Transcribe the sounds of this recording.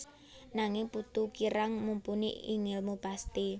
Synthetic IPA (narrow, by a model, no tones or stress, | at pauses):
naŋɪŋput̪ukiɾaŋmumpuniiŋɪlmub̥ast̪i